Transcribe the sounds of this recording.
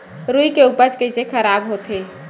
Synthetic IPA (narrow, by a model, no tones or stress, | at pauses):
ɾujkeupət͡ʃkəɦɪsekʰəɾabɦot̪e